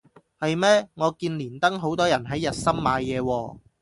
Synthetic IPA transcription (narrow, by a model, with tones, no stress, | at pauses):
hɐ˨jmɛː˥ŋɔː˨˧kiː˧nliː˨˩nt̪ɐ˥ŋɦo˨˥wt̪ɔː˥jɐ˨˩nɦɐ˨˥jːɐ˨t̚sɐ˥mmaː˨˧jjɛː˨˧wɔː˧